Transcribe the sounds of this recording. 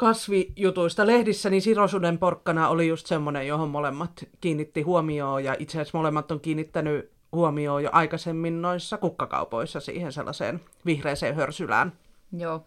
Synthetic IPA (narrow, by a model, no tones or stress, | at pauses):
kɑsʋijut̪uist̪ɑlehdisːænisirosudemporkːɑnɑolijust̪semːonejjohommolemːɑt̪kiːnːit̪ːihuomioːjɑʔit̪seæsmolemːɑt̪ːoŋkiːnːit̪ːæny | huomioːjo̰ʔɑikɑsemːinnoisːɑkukːɑkɑ̰upo̰isːɑsḭːhensḛlːɑ̰sḛːn | ʋihreːsḛːhørsylæ̰ːn | joː